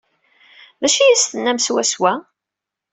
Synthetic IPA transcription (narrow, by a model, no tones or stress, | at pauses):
ðæʃijisθənːæmswæswæ